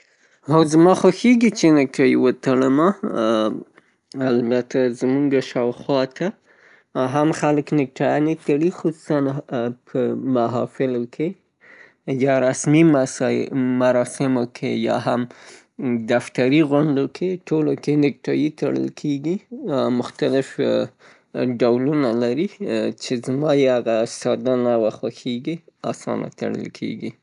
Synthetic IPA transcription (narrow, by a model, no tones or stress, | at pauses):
awzmɑxaxeɡit͡ʃenɪk̚ʈʰɑjiwət̪aɽəma | albat̪azmuŋɡaʃɑwxwɑt̪a | ɦamxaləknɪk̚ʈɑjɑnet̪aɽixʊsu̥sanpʰəmaɦɑfɪlokʰe | jɑɾasmimsmaɾɑsɪmokʰejɑ̰ɦam | d̪aft̪aɾiɣʊɳɖokʰeʈʰolokenɪk̚ʈɑjit̪aɽə̰lkʰeɡimʊxt̪alɪf | ɖawlunalaɾit͡ʃezmɑjehaɣasɑd̪ɑnawaxwaxeɡiɑ̰sɑ̰nʔa̰t̪a̰ɽə̰lkʰḛɡi